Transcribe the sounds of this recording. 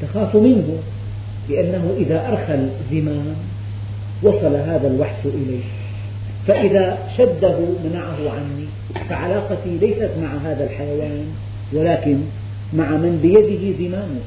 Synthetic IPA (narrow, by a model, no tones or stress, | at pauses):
t̪axaːfmɪnɦʊ | lɪʔanːaɦʊʔɪðaʔɑɾˤxal | zɪmaːn | wɑsˤɑlaɦaːðalwaħʃʔɪlajːh | faʔɪðaʃad̪ːaɦʊmanaʕaɦʊʕanːi | faʕalaːqɑt̪ilajsat̪maʕaɦaːðalħajawaːn | walaːkɪn | maʕamanbɪjad̪ɪɦɪzɪmaːnʊ